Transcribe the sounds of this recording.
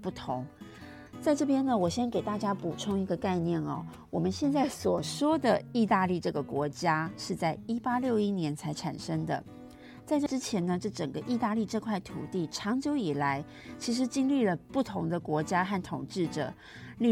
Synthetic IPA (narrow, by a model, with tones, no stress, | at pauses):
pu˥˩t̪ʰʊ˧˥ŋ | t͡sa˥˧ɪʈ͡ʂɤ˥˩pjɛ˥nə˨wɔ˨˩ɕjɛ˥nke˨˩ɪt̪a˥˩t͡ɕja˥pu˨˩ʈ͡ʂʰʊ˥ŋi˧˥ɡə˧ka˥˧ɪnjɛ˥˩nɐ̰˩ | wɔ˨˩mə˦nɕjɛ˥˧nt͡sa˥˩ɪswɔ˨˩ʂwɔ˥d̪ə˨i˥˧t̪a˥˧li˥˧ʈ͡ʂɤ˥˩ɡə˩kwɔ˧˥t͡ɕja˥ʂɻ̩˥˧t͡sa˥˩ɪi˥pa˥ljo˥˩ʊi˥njɛ˧˥nt͡sʰa˧˥ɪʈ͡ʂʰa̰˨˩nʂə˥ŋd̪ə̰˨ | t͡sa˥˧ɪʈ͡ʂɤ˥˧ʈ͡ʂɻ̩˥t͡ɕʰjɛ˧˥nə˧ʈ͡ʂɤ˥˩ʈ͡ʂə˨˩ŋɡə˦ʔi˥˧t̪a˥˧li˥˧ʈ͡ʂɤ˥˧kʰwa˥˩ɪt̪ʰṵ˨˩t̪i˥˩ʈ͡ʂʰɑ˧˥ŋt͡ɕjo˧˥ʊi˨˩la˧˥ɪ | t͡ɕʰi˧˥ʂ̬ɻ̩˧˥t͡ɕi˥ŋli˥˩lə˩pu˥˩t̪ʰʊ˧˥ŋd̪ə˧kwɔ˧˥t͡ɕja˥xa˥˩nt̪ʰʊ˨˩ŋʈ͡ʂɻ̩˥˩ʈ͡ʂɤ̰˨˩ | li˥˧